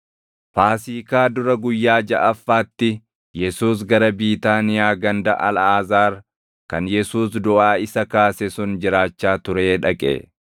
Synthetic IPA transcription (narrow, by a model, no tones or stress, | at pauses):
faːsiːkaːd̪ʊɾɐɡʊjːaːd͡ʒɐʔɐfːaːt̪ːɪ | jɛsuːs̬ɡɐɾɐbiːt̪aːnɪjaːɡɐnd̪ɐʔɐlaːzaːɾ | kɐnjɛsuːs̬d̪ʊʔaːɪsɐkaːsɛsʊnd͡ʒɪɾaːt͡ʃːaːt̪ʊɾeːᶑɐkʼḛː